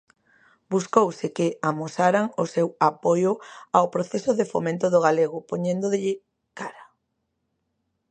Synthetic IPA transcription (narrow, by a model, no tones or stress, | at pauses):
buskowsɪkɪamosaɾaŋʊsewapojʊaopɾoθesʊðɪfo̰mẽnt̪ʊðʊɣaleɣʊpoɲẽnd̪oðɪʎɪ | kaɾa